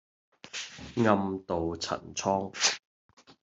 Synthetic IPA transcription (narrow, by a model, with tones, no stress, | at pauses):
ŋɐ˧mt̪o˨wt͡sʰɐ̰˨˩nt͡sʰɔː˥ŋ